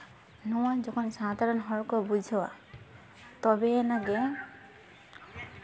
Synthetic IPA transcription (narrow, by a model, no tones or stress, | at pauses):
nɔwad͡ʒɔkʰɔnsad̪ʱaɹɔnɦɔɹkɔbud͡ʒʱɔwa̰ | t̪ɔbɛnaɡɛ